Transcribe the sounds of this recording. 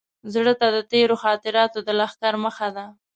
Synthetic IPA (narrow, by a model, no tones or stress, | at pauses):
zɽət̪ad̪ət̪eɾoxɑt̪ɪɾɑt̪od̪əlaxkaɾməxad̪a